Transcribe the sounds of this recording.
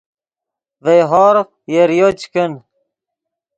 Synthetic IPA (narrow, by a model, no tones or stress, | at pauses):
vejɦɔːɾ | jeɾjot͡ɕkən